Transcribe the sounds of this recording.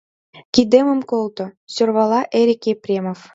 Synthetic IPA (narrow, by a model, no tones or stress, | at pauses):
kʲid̪emə̆mkolˠt̪ŏsørβɑlˠɑʔeɾʲikʲeprʲemof